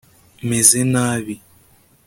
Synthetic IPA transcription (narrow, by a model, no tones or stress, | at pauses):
mezenaːβi